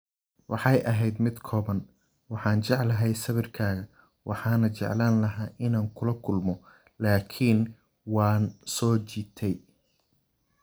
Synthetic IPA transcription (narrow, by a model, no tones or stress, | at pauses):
wɑħɑjʔɐɦɛjd̪mɪd̪kʰɔːβɐn | wɑħɑːnt͡ʃɛʕlɐɦɛjsɐβɪrkʰaːɣɐ | wʔɑ̰ħɑːnɐt͡ʃɛ̰ʕlaːnlɐɦaːʔɪnaːŋkʰʊlɐkʰʊlmɔ | laːkʰiːn | wɑːnsɔːt͡ʃiːt̪ʰɛj